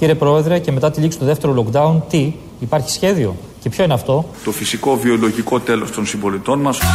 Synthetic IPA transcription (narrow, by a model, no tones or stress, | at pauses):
ciɾepɾo̞e̞ðɾe̞ce̞me̞t̪ɐt̪iliksi̥t̪oðeft̪e̞ɾo̞lo̞kd̪ɐunt̪iː | pɐɾçi̥sçe̞ðio̞̰ | ce̞pço̞ineɐft̪o̞t̪o̞fisiko̞vio̞lo̞ʝiko̞t̪e̞lo̞st̪o̞nsimbo̞lit̪o̞nmɐs